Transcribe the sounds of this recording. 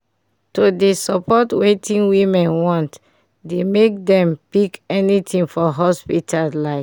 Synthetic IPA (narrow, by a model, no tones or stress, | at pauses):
todesɔpʰɔtwetĩnwĩmɛ̃nwɔ̃nt | demek̚dɛ̃mpikɛnitĩŋfɔɦɔspitʰallaɪf